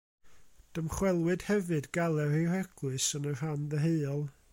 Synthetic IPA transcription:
d̥əmχwɛlˠwɨd̥hɛvɨdɡalˠɛrirɛɡ̥lɨsənər̥ɦanðəɦeɨɔlˠ

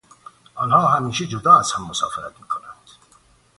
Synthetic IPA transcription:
ʔɒːnhɒːɦæmiːʃed͡ʒod̪ɒːæz̥hæmːosɒ̰ːfeɾæt̪̚miːkʰonænd̪̥

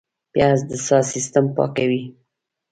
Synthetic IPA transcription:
pjɑzd̪əsɑsist̪ampɑ̰kawi

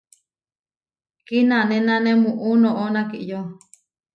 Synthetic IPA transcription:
kinãnẽnãnẽmũʔunõʔonãkiʔjo

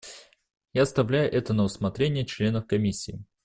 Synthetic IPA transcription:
jast̪ɐvlʲæjʊʔɛt̪ənəʊsmɐt̪ɾʲenʲɪjət͡ɕlʲe̞nəfkɐmʲisʲːɪː

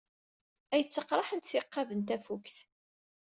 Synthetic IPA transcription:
æjət͡sːəqːɾˤɑħənt̪θɪqːɑvənt̪æfukθ

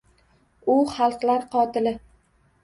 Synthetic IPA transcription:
ʊχɑlˠqlaɾqɒt̪ʰɪlɪ

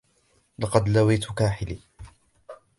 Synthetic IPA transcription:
lɑqɑd̪lawiːt̪ʊkaːħɪliː

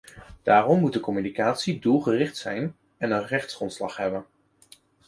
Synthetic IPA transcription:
d̥aːrɔmːut̚dəkɔmynikaːtsidulˠχərɪχtsɛjn | ɛnənrɛχtsrɔntslɑχɦɛbən

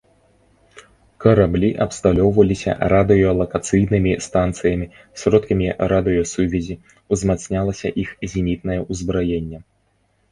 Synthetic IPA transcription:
kɐɾablʲiʔɐpst̪alʲɔwvɐlʲisʲɐ̰ɾad̪ɨjɔlˠɐkat̪sɨjnɨmʲist̪ant̪sɨjɐmʲi | sʲɾɔt̪kɐmʲiɾad̪ɨjɔsuvʲɛzʲi | wzmat̪snʲalˠɐsʲɐ̰ʔixzʲinʲit̪nɐjɛuzbɾajɛnʲːɛ

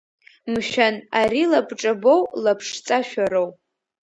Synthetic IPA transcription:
mʃᶣanaɾilabʼʈ͡ʂʼabowlapʰʂt͡sʼaʃᶣaɾow

